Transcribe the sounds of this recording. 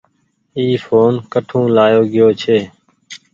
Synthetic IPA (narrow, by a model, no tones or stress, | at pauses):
iːfʰoːnkəʈʰũːlaːjoːɡɪjoːt͡ʃʰeː